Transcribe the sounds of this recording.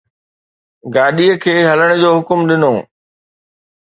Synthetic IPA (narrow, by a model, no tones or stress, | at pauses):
ɡaːɗiəkʰeːɦɐləɽ̃d͡ʑoːɦʊkʊmɗɪnoː